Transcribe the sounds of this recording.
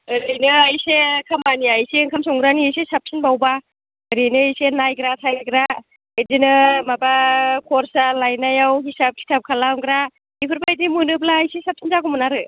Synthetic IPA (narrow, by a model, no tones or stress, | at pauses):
ɯɾinɯajsekʰamaniajsiŋkʰamsɔŋɡɾaniajsesap̚sʰinbawba | ɯɾinɯajsenajɡɾatʰajɡɾa | edinɯmabakʰɔɾsalajnajawɦisap̚kʰi̥tʰap̚kʰalamɡɾa | ipʰɯɾpajdimɯnɯp̬̚laːjsesap̚sʰinzakɔmɯnaɾɯ